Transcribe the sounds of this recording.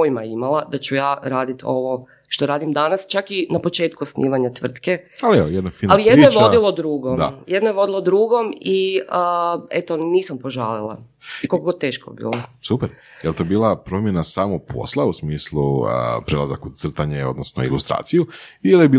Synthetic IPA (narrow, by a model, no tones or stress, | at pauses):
ojmajimalˠad̪at͡ʃujaːɾaːd̪it̪o̞ʋo̞ | ʃt̪o̞ɾaːd̪imd̪anast͡ʃakinapo̞t͡ʃe̞ːt̪kuosnʔḭːʋaɲat̪ʋr̩t̪kealiejed̪nafinalijed̪nojeʋo̞d̪ilˠod̪ɾuːɡomd̪a̰jed̪nojeʋo̞d̪ilod̪ɾuːɡo̞miəet̪oniːsampo̞ʒa̰ːlilˠa̰ | ikokokot̪e̞ːʃko̰bḭːlˠosupɛɾjelt̪obiːlˠapɾo̞mjenasaːmopʰo̞̰slˠausmiːsluəpɾela̰zakut̪sr̩t̪aɲeo̞d̪nosno̰ḭlust̪ɾa̰ːt̪sijuielebiː